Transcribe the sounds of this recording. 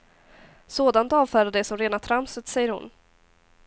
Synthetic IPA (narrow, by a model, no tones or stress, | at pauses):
soːd̪ant̪ɑːvfœːɾad̪ɛsɔmɾeːnat̪ʰɾamsət̪sɛjːəɾhʊ̰n